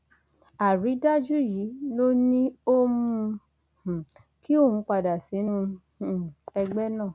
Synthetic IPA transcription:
a˨ɾi˨˦da˦d͡ʒu˦ji˨˦no˦nĩ˦o˦mũ˧ | h̩˨ | ki˦o˦˨hũ˧˦k͡pa˧˨da˨si˨˦nũ˦˨ | ɛ˧ɡ͡bɛ˦nã˦˨

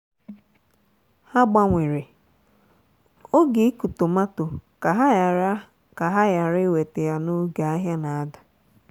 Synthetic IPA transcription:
ha˦ɡ͡ba˦ŋʷe˨ɾe˨ | o˦ɡe˨i˦ku˨to˨ma˦to˨ka˨ɦa˦˨ɾa˦ | ka˨ɦa˦ja˨ɾɪ˦we˨te˨ja˦no˦ɡa˨a˦ɦja˦na˨a˦dḁ˨

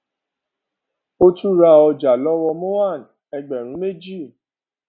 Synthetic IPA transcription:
o˦tu˦ɾa˧˨ɔ˧d͡ʒa˨lɔ˦wɔ˧mo˦wa˦˨n | ɛ˧ɡ͡bɛ˨ɾũ˨˦me˦d͡ʒi˦˨

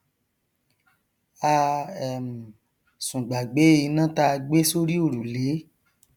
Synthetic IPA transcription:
a˧ɛ˨m̩˨ | sũ˨ɡ͡ba˨ɡ͡be˨˦i˧nã˦ta˦˧ɡ͡be˦so˦ɾi˦o˦˨ɾu˨le˨˦

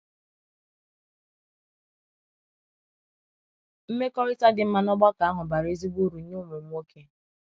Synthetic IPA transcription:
m̩˦me˦kɔ˦ɾɪ˦ta˦dɪ˨m̩˦ma˦nɔ˦ɡ͡ba˦ka˨a˦ɦʊ˨ba˨ɾe˦zi˦ɡ͡bu˦˨ɾu˨˦ɲu˦mʊ˨ŋ͡mʷo˦kʰe˦

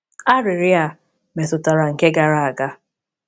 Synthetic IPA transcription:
a˦ɾɪ˨ɾɪ˦a˦˨ | me˨tʊ˨ta˨ɾa˨ŋ̩˨ke˦ɡa˨ɾa˨a˨ɡa˦

